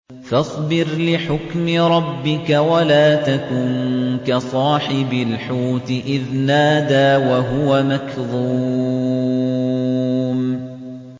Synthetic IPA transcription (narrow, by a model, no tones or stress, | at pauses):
fɑsˤbɪɾlɪħʊkmɪɾˤɑbːɪkawalaːt̪akʊnkasˤɑːħɪbalħuːt̪ɪʔɪðnaːd̪aːwaɦʊwamakðˤu | m